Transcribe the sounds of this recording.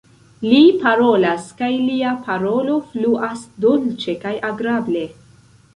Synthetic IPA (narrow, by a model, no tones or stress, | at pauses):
lipaɾo̞laskajliapʰaɾo̞lo̞fluʔasdult͡ʃe̞kajʔaɡɾable̞